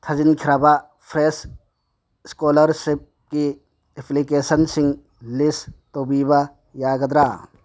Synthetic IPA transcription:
t̪ʰɐd͡ʒinkʰiɾaba | pʰɾes | skoːlɐɾsip̚ | ki | epʰlikeːsɐnsiŋ | list̪obiba | jaːɡɐd̪ɾa

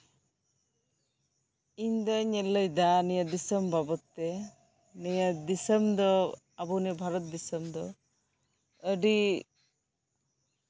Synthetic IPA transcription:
iɲd̪ɔɲɛləjd̪anijəd̪isəmbʱabɔt̪ːɛ | nijəd̪isəmd̪ɔ | abunibʱaɾɔt̪̚d̪isəmd̪ɔ | əɖi

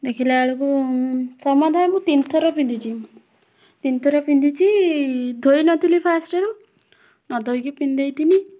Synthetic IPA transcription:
d̪ekʰileaɭukusɔmad̪ʱajmũt̪int̪ʰɔɾɔpind̪it͡ʃʰi | t̪int̪ʰɔɾɔpind̪it͡ʃʰid̪ʱojnɔt̪ilipʰasʈɔɾu | nɔd̪ʱɔjkipind̪ejt̪ini

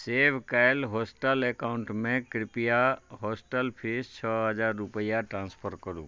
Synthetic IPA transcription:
seːbkajlɦoːsʈəlɛkaʊɳʈmẽkɾɪpijaɦoːsʈəlpʰist͡ʃʰɔɦəd͡ʒaːɾːupəjaʈɾãːnspʰəɾkəɾṵ̃ː

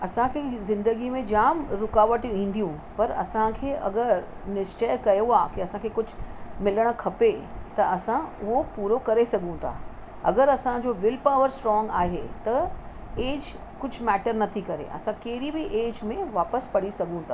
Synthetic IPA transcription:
ɐsãkʰeːzɪ̃nd̪əɡimẽd͡ʑaːmɾʊkaːʋəʈĩːn̆d̪ijũpɐɾɐ̰sãkʰeːʔɐ̰ɡəɾnɪʃt͡ɕəjkɐjoaːkiɐsãkʰeːkʊd͡ʑʱʊmɪləɽ̃kʰɐpet̪ɐɐsãʊɦopuːɾokɐɾesɐɡʱũt̪ʰa̰ː | ɐ̰ɡəɾɐsãd͡ʑoːʋɪlpaːʋəɾsʈɾɔːŋɡaːɦet̪ɐ | eːd͡ʑ | kʊd͡ʑʱmɛːʈəɾnɐt̪ʰikɐɾḛʔɐ̰sãkɐɦɪɽibɪʔeːd͡ʑmẽʋaːpəspɐɽisɐɡʱũt̪ʰaː

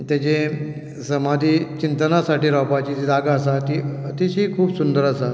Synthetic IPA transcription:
t̪jat͡ɕe | səmad̪ʱiːt͡ɕint̪ənasaʈiːɾawpat͡ɕiːt̪id̪aɡaəsat̪it̪isɦiːkʰuːbsund̪əɾəsa

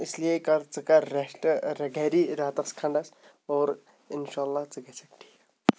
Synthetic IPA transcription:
ɪsliekɐɾt͡sɨkaɾeʃʈɾɐɡɛːɾiɾaːt̪ɐskʰɐ̃ɳɖas | ɔːɾ | ɪnʃaːlːat͡sɨɡɛsɐk̚ʈʰi̥ː

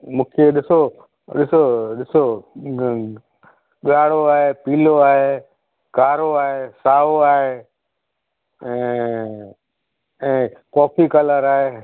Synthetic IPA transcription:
mũːkʰeɗɪso | ɗɪsoɗɪso | ɠaːɽoaːɦeːpiːloaːɦe | kaːɾoaːɦeːsaːoaːɦeː | ɛ̃ː | ɛ̃ːkɔːfikələɾaːɦeː

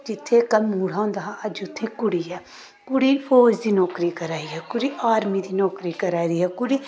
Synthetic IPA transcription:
d͡ʒɪt̪ʰːeːkəlmuːɽãːõːnd̪aːɦãːəd͡ʒʊt̪ʰːẽːkʊɽiːɦɛː | kʊɽiːpʰoːd͡ʒd̪iːnɔːkɾiːkəɾaːiɦɛːkʊɽiːʔaːɾmiːd̪iːnɔːkɾiːkəɾaːid̪iːɦɛːkʊɽiː

